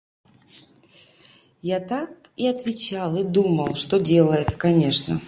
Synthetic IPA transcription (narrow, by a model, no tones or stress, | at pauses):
jat̪ak | iɐt̪vʲɪt͡ɕalˠid̪uməlˠʂt̪odʲe̞lˠəjɛt̪kɐnʲe̞ʂnə̰